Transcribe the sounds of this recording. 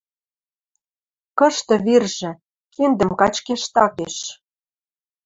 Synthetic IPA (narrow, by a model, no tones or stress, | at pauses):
kɤ̆ʃt̪ɤ̆βirʒĕ | kend̪ə̆mkɑt͡ɕkeʃt̪ɑkeʃ